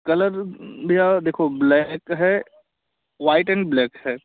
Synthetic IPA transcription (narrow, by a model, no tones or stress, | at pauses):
kɐləɾbʱiad̪eːkʰoblɛkɦɛ | ʋaːɪʈɛ̃ːɳɖblɛːkɦɛː